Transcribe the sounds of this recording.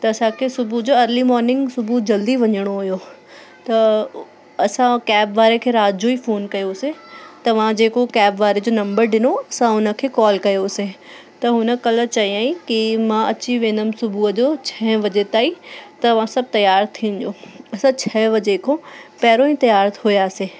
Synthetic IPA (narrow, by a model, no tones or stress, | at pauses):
t̪ɐɐsãkʰeːsʊbud͡ʑoːɐɾlimɔːɾnɪ̃ŋɡsʊbʱud͡ʑɐld̪iʋɐɲəɽ̃oɦʊjo | t̪ɐ | ɐsãkɛːbʋaːɾekʰeːɾaːd͡ʑoifoːnkɐjosẽt̪ɐʋ̤ãd͡ʑeːkokɛːbʋaːɾed͡ʑoːnɐ̃mbəɾɖɪnoɐsãʊnə̆kʰeːkɔːlkɐjosẽ | t̪ɐɦʊnə̆kɐlət͡ɕɐɦiãːĩkimãɐt͡ɕiʋẽːnd̪əmsʊbʱuəd͡ʑot͡ɕʰɛɦʋɐd͡ʑet̪aːit̪ɐɐʋ̤ãsɐb̚t̪ɐjaːɾt̪ʰĩːnd͡ʑjoːɐsãt͡ɕʰɛːʋɐd͡ʑekʰõpɛːɾõĩt̪ɐjaːɾt̪ɦʊjaːseː